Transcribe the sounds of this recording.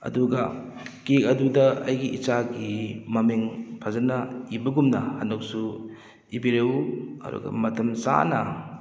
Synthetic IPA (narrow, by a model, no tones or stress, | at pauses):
ɐ̰duɡɐ | kekɐdudɐɐ̰jɡiʔit͡ʃaɡimɐmeŋpʰazɐnɐibɐɡumnɐhanok̚su | ibiɾewuɐ̰dṵɡɐ̰mɐtʰɐmsa̰nɐ